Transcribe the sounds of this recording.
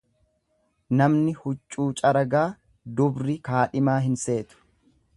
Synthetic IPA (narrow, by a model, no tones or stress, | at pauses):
nɐmnɪhʊt͡ʃʼːuːt͡ʃʼɐɾɐɡaː | d̪ʊbɾɪkaːᶑɪmaːɦɪnse̞ːt̪ʊ̥